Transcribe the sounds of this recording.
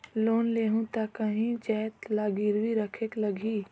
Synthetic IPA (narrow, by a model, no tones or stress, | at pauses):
loːnleːɦũt̪akəɦĩd͡ʒɛɦt̪laːɡiɾʋiɾəkʰekləɡiː